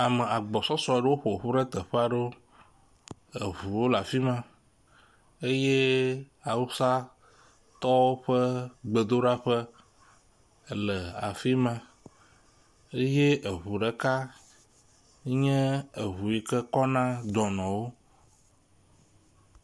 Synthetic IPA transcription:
a˨mɛ˨a˨ɡ͡bɔ˨sɔ˦sɔ˦˨ɖe˦wo˦ɸo˨ɸu˦ɖɛ˦t̪ɛ˨ɸɛ˦a˨ɖo˦ | e˨βu˨wo˦la˨fi˦mã˨ | e˦je˦ | a˨wu˦sa˦ | t̪ɔ˦wo˦ɸə˦ɡ͡be˨d̪o˦ɖa˦ɸə˦˨ | lɛ˨a̰˨fi˦mã˦ | e˦je˦ʔe˨ɦu˨ɖɛ˦ka˦ | ɲɛ̃˦e˨ɦu˨ji˦kɛ˦kɔ˦nã˦d̪ɔ˨nɔ̃˨wo˦

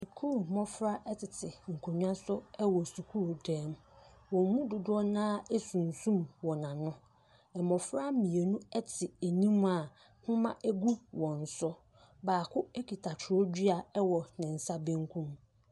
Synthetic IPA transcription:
si˨kʰuː˦˨mɔ̃˦fɾa˦ʔɛ˦tʰɪ˨tʰɪ˨ŋ̩˨kʰo˨ɲᶣ˦ã˦sʊ˦ɛ˦wɔ˨su˨kʰu˦ɾo˨dɛ̃˦m˦wɔ̃˨m˦mũ˦dʊ˨dʊ˦ɔ˦nãː˦ɛ˦sũ˨n̩˨sũ˦mwɔ˨nã˨nʊ̃˦ | ɛ˨mɔ̃˨fɾa˦mĩ˨e˨nũ˦ɛ˦tʰɪ˨e˨nĩ˦m˦a˨ | hʊ̃˦mã̰˦ʔɛ˦ɡu˦wɔ̃˨n̩˨sʊ˦ | baː˨kʰʊ˦ɛ˦kʰi˨tʰa˨tʰʊ˨ɾɔ˦d͡ʑi˦a˨ɛ˦wɔ˨nɪ̃˨n̩˨sa˦bẽ˦ŋ˦kʰũ˦m

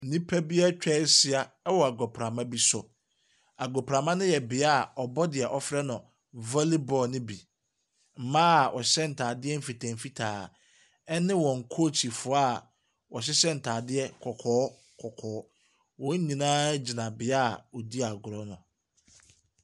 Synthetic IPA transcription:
n̩˨nĩ˦pʰæ˦bi˦a˦t͡ɕᶣɛ˦sɪ˦a˨ɛ˦wɔ˨a˨ɡɔ˨pʰɾa˨mã˦bi˦sʊ˨ | a˨ɡɔ˨pɾa˨mã˦nʊ̃˦jɛ˨bɪ˨a˦˨ɔ˨bɔ˦dɪ˨ɛ˨ʔɔ˨fɾɛ˦nʊ̃˨ | vɔ˦li˦bɔ˨nɪ̃˦bi˨ | m̩˨mãː˦˨ʔɔ˨ɕɛ˦n̩˨tʰaː˨dɪ˦ɛ˦m̩˦fi˨tʰã˨m˨fi˦tʰaː˨ | ɛ˦nɪ̃˦wɔ̃˨ŋ̩˨kʰo˦˨t͡ɕʰi˨fʊ˨a˦ | wɔ˨ɕ̬ɪ˦sɛ˦n̩˨tʰaː˨dɪ˦ɛ˦kʰɔ˨kʰɔː˨˦ | kʰɔ˨kʰɔː˨˦ | wɔ̃˦ɲĩ˨nãː˦d͡ʑi˨nã˨bɪ˨a˦˨ɔ˨di˦a˨ɡʊ˨ɾɔ˦nʊ̃˨

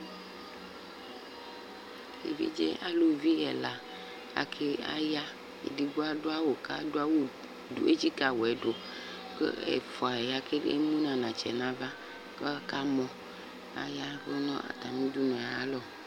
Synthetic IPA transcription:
ḛ˨vḭ˦d͡ʒḛ˦ʔa˦lo˨vi˦ɣɛ̰˨la˨ | a̰˨kʰe˦a̰˦ja˦ | ḛ˨di˨ɡo˦a˦do˦a˦wo˨ka˦˨do˦a˦wo˦ | du˨e˦t͡ʃi˦ka˨wo˨ɛ˨˦do˨ | kɛ̰˨fɔ˨a˨ja˦ke˦ḛ˦mũ˦nã˨nã˨t͡ʃɛ̰˨nã˦va˦ | kɔ˦ka˦mɔ̃˨ | a̰˦ja˦vo˦nɔ̰̃˦ʔa̰˨t̪a˨mĩ˦du˦nɔ̃˨a˦lɔ˦

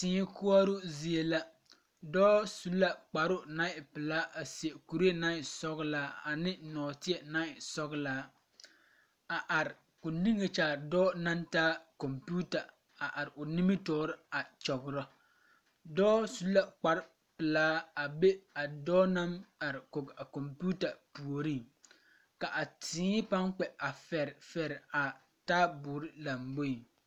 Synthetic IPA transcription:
tɪː˨˦ɲ˦kʊ˦a˦ɾʊ˦zi˨˦e˦la˦ | dɔː˦su˨˦lːa˦k͡pa˨ɾʊ˦na˦ɪ˨pɪ˨laː˦ʔa˨si˨e˨ku˨ɾi˦e˦na˦ɪ˨sɔ˦ɣlaː˦a˨nɪ˦nɔː˨tɪ˦ɛ˨na˦ɪ˨sɔ˦ɣlaː˦ | a˨ʔa˨ɾɪ˨ | kʊ˨nĩ˦ŋe˨t͡ʃaː˨dɔː˦na˦ntaː˦kɔ˨mpu˦ta˨ | a˨ʔa˨ɾɪ˨ʔʊ˨ni˦mi˦tɔː˦ɾɪ˦a˨t͡ʃɔ˨ɡɾɔ˦ | dɔː˦su˦la˦k͡pa˦ɾ | pɪ˨laː˦a˨be˦a˨dɔː˦na˦ma˨ɾɪ˨ko˨ɡa˨ko˨mpu˦ta˨pu˨o˨ɾĩ˦ŋ | ka˨ʔa˨tĩː˨˦pa˦ŋk͡pɛ˨a˨fɛ˨ɾfɛ˨ɾa˨ | ta˦bʊː˨ɾɪ˦la˨mbo˦i˨

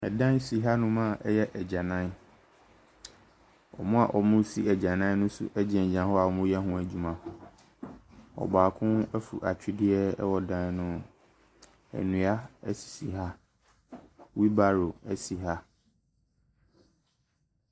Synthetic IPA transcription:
ɛ˨dã˦nsi˨ɦa˦nʊ̃˦mã˦˨ʔɛ˦jɛ˦ʔɛ˨d͡ʑã˨nã˦n | ɔ̰˨mʊ̃˦a̰˨ʔɔ˨mʊ̃˦si˦ɛ˨d͡ʑã˨nã˦nʊ̃˦sʊ̰˦ʔɛ˦d͡ʑɛ̃˨d͡ʑã˨˦hɔ˦a˨ɔ˨mʊ̃˦jɛ˦ɦʊ̃˦˨æ˨d͡ʑu˨mã˨ | ɔ̰˨baː˨kʰʊ̃˦næ˦fṵ˨ʔa˨t͡ɕᶣɪ˦dɪ˦ɛ˦ɛ̰˦wɔ˨dã˦nnʊ̃˦ | æ̰˨nũ˨a˦si̥˨si˨ɦa˦ | wi˦ba˦˨ɾo˨æ˨si˨ɦa˦

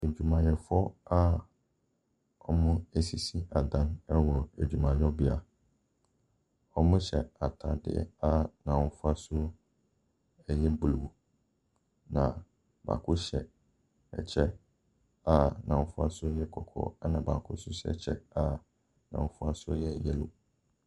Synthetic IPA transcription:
e˨d͡ʑᶣu˨mã˨ɲɛ˨fɔ˦a˦ | ɔ˦mʊ̃˦æ˨si˨si˦a˨dã˦nɛ˦wɔ˨æ˨d͡ʑᶣu˨mã˨ɲɔ˦bɪ˨a˨ | ɔ˦mʊ̃˦ɕɛ˨a˨tʰa˨dɪ̰˦ɛ̰˦a˦nã˨wʊ̃˦fʊ˦a˦sʊ˦ | ɛ˨jɛ˦bu˨lu˨wu˨ | nã˨ | ba̰ː˨kʰʊ˦ɕɛ̰˨ | ɛ̰˨t͡ɕʰɛ˦ | a˨nã˨ʊ̃˦fʊ˦a˦sʊ˦jɛ˦kʰɔ˨kʰɔ̰˨a˦nã˨baː˨kʰʊ˦sʊ˦ɕɛ̰˨t͡ɕʰɛ̰˦a˨ | nã̰˨˦fʊ˦a˦sʊ˦ɔ˦jɛ˦ɛ˨jɛ˦lʊ̰˨

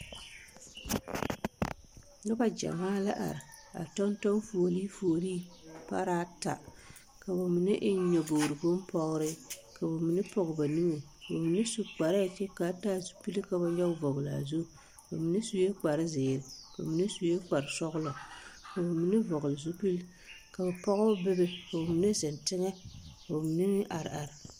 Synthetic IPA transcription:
nɨ˦ba˦d͡ʒa̰˨maː˦la˦ʔa̰˨ɾɪ˨ | a̰˨tɔ˦ntɔ˦mfo˨o˨li˦fo˨o˨liː˦pa̰˦ɾaː˦ta̰˨ | ka˨ba˨mi˨nɨ˦ʔɪ˦ɲɔ˨bo˨ɾɨ˨ɡʊ˦m˦pɔ˦ɣɾɨ˦ka˨ba˨mi˨nɨ˦pɔ˨ɣɨ˨ba˨nɨ˦ŋe˨ba˨mi˨nɨ˦su˨k͡pa˨ɾa˦˨t͡ʃɛ˦ka˨˦taː˦zu˨pi˦lka˨ba˦ɲɔ˦vɔ˨ɣla̰˨zu˦˨ | ba˨mi˨nɨ˦su˦je˦k͡pa˨ɾɪ˦zɪː˨ɾɪ˨a˨mi˨ni˦su˦je˦k͡pa˨ɾsɔ˦ɣʊ˦lɔ˨ka˨ba˨mi˨nɪ˦vɔ˨ɣʊ˨lɪ˨zu˦pi˦l | ka˨ba˨pɔ˦ɣba˦bɪ˦bɪ˦ka˨ba˨mi˨ne˦zɛ˨ntɪ˦ŋɛ˦ka˨ba˨mi˨nɪ˦nɪ˦ʔa˨ɾa˨ɾɪ˨

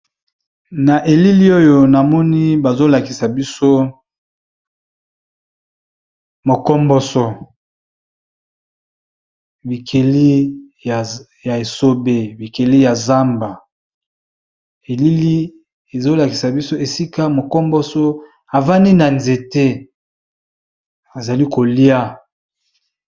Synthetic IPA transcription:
na˨ʔe˨li˦li˦o˦jo˨na˨mɔ˦ni˦ba˨zo˦la˨ki̥˨sa˨bi˦so˦ | mo˨kɔ˦mbɔ˦sɔ˦ | bi˨kʰe˨li˦ | a˨ | ja˨e˨so˦be˦bi˨ke˨li˦ja˨za˦mba˨ | e˨li˦li˦ | e˨zo˦la˨ki˨sa˨bi˦so˦e˨si˦ka˦mo˨kɔ˦mbɔ˦sɔ˦ | a˨va˦ni˦na˨nze˨te˦ | a˨za˨li˦ko˨li˦a˦

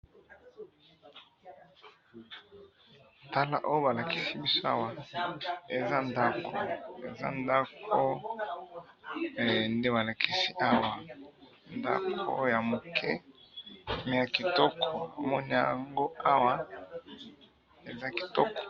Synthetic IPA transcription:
ta˦la̰˦ʔo˦jo˦ba˨la˨ki̥˦si˦bi˦so˦a̰˦wa˨ | e˨za˦nda˦kʰo˨ḛ˨za̰˦nda˦kʰo˦˨ | nde˦ba˨la˨kʰi˨si˦ʔa˦wa˨ | nda̰˦kʰo̰˦ja˨mo˨kʰɛ˦ | me˨ja˨ki˨tɔ˦kʰo˨a̰˨mɔ˦ni˦a̰˨ŋɡo˦a˦wa˦ | e˨za˦ki̥˨tɔ˦kɔ̥˨

